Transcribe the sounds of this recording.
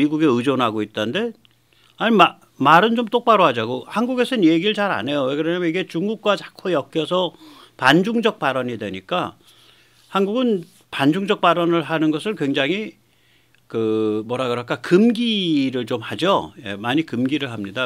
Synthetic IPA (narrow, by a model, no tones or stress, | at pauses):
iɡuɡe̞ɯd͡ʑonɦaɡoit̚t͈ande̞ | aɲima | maɾɯnt͡ɕomt͈ok̚p͈aɾoɦad͡ʑaɡohanɡuɡe̞sʰʌnjeɡiɾɯɭt͡ɕaɾa̰ne̞joeɡɯɾʌɲamiɡe̞t͡ɕuŋɡuk̚k͈wat͡ɕḁkʰojʌk͈̚jʌsʰʌ | pand͡ʑuŋd͡ʑʌk̚p͈aɾʌɲidwe̞ɲik͈a | hanɡuɡɯn | pand͡ʑuŋd͡ʑʌk̚p͈aɾʌnɯɭɦanɯnɡʌsʰɯɭkwe̞ŋd͡ʑaŋɦi | kɯmwʌɾaɡɯɾʌɭk͈ʰakɯmɡiɾɯɭt͡ɕomhad͡ʑoje̞̰maɲikɯmɡiɾɯɭɦamɲida